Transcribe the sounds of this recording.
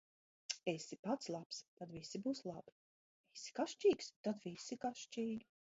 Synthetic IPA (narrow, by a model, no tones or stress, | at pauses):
esipat̪slˠapst̪ad̪visibuːslˠabi̥ | visi̥kaʃt͡ʃiːkst̪ad̪visikaʃt͡ʃiːli